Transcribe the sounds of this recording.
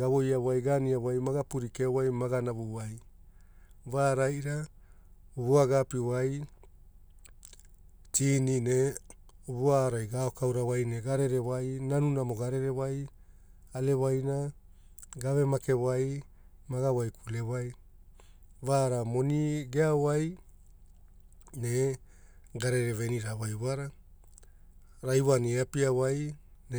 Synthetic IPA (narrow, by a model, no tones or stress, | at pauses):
ɡaβo̞jawajɡaniawajmaɡapuɾikewajmaɡanaβuwaj | βaɾajɾa | uβuaɡapiwaj | tiːnine | uβuaɾajɡaokawɾawajne̞ɡaɾe̞ɾe̞wajnanunamo̞ɡaɾe̞ɾe̞waj | ale̞wajna | ɡaβe̞make̞waj | maɡawajkʰule̞waj | vaɾamo̞niɡeawaj | ne̞ | ɡaɾeɾe̞ve̞niɾawajβaɾa | ɾajwaniapiawajn